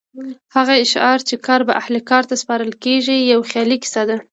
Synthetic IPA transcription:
haɣaɪʃɑɾt͡ʃekɑɾba̰ʔahlikɑɾt̪aspɑɾəlkeʒijawxjɑlikɪ̥sɑd̪a

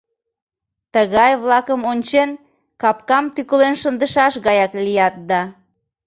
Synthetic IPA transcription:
t̪əɣɑjβlɑkəmonʲt͡ɕen | kɑpkɑmt̪ykəlenʃənd̪əʃɑʃɣɑjɑklijɑt̪̚d̪ɑ

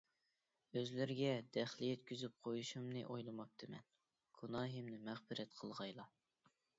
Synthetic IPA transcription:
øzlɪɾɪɡʲɛd̪ɛχlˠɪjɛt̪kʲyzyp̚qʰojuʃumnɨ̰ʔojlˠɨmɑp̚t̪ʰɨmɛ̰n | ɡ̥unɑːɦimnɪmæχbɪɾɛt̪qʰəlˠʁɑjlˠɑ

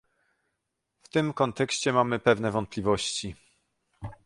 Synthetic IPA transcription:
ft̪ɘmkɔnt̪ɛkɕt͡ɕɛmamɘpɛvn̪ɛvɔnt̪̚pʲlʲivɔɕt͡ɕi

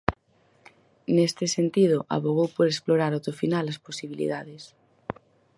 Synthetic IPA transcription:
nest̪esent̪ið̞oʔa̰βoɣ̞owpoɾesploɾaɾawt̪ofinalasposiβilḭðaðes

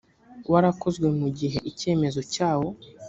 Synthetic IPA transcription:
waɾako̞zɡwe̞muɟiɦe̞ʔice̞ːme̞zo̞caːwo̞

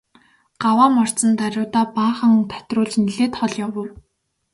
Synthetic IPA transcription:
ɢ̥awaːmɔr̥t͡sə̆nt̪aɾʲʊːt̪aːpaːχə̆ŋt̪ʰæ̥t̪rʊːɮt͡ɕniɮeːt̪χɔɮjawə̆w

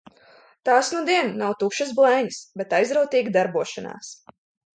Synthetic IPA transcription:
t̪aːsnud̪iɛnːawt̪ukʃɐsblˠɛjɲsbet̪ajzɾawt̪iːɡʲd̪aɾbuɔʃana̰ːs

